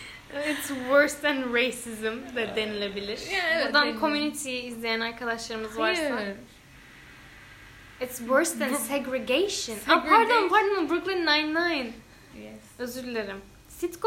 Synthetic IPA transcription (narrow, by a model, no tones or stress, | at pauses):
ɪtswɜ˞sd̪æ̃nɹejsizɨmd̪ɛd̪enilʲebilʲiɾ̥od̪ankʰo̞mjynit̪ʰijiːzlʲejænaɾkʰad̪aʃlˠaɾɯmɯzvaɾsa | ɪtswɜɹsd̪æ̃nsɛɡɾeɡejʃə̃napʰaɾt̪ampʰaɾt̪mãnbɾuklˠĩnːajnːajn | jɛ | ø̞zyɾlʲeɾim | sit̪k